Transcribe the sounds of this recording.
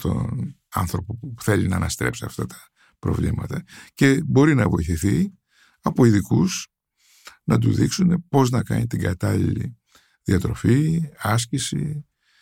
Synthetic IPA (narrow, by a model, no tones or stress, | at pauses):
t̪o̞̰n | ɐ̰nθɾo̞po̞uuθe̞linɐːnɐst̪ɾe̞̰psiɐft̪ɐt̪ɐ̥ | pɾo̞̰vlimɐt̪ɐce̞bo̞ɾinɐvo̞iθiθi | ɐpo̞iðikus | nɐd̪uðiksune̞po̞znɐkɐnit̪iɡɐt̪ɐlḭlḭ | ðiɐt̪ɾo̞fiɐscisi